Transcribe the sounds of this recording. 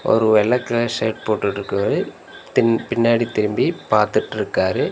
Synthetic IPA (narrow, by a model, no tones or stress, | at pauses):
ɔ̰ɾɯʋɛlɐkːɐlɐʂeːʈ̚poːʈːɯʈɾɯkːɯʋɐɯ | t̪ɪpɪnːaːɽit̪ɪɾɯmbipaːɾt̪ɯʈːɪɾɯkːaːɾɯ